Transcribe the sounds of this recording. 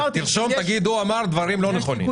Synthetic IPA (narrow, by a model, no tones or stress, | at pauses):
t̪ilʃomt̪aɡid̪uamaʁd̪vaɾimloneχonḭ